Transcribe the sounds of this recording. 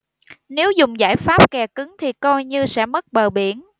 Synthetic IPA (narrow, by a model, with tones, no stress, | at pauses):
ne˨˦wzʊ˨˩ŋ͡mza̰ː˧˩jfaː˦˥p̚kɛ˨˩kɨ˨˦ŋt̪ʰi˨˩kɔ˧jɲɨ˧sɛ̰˧˥mə˦˥t̚ɓəː˨˩ɓi˧˩ən